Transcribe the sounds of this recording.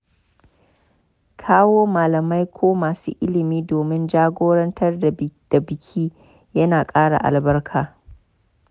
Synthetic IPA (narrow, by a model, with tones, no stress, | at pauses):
kʰaː˦woː˦maː˨lɐ˨ma˦jkʷʰoː˦maː˨sṵː˦ʔɪ˦lɪ˨miː˦doː˨mɪ˦nd͡ʒaː˦ɡʷoː˦ɽɐ˦ntʰɐ˦rdd̥a˨bɪ˨kʲʰiː˦ | jɐ˦naː˨kʼaː˦ɽa̰˨ʔa̰˨lbɐ˦rkʰaː˨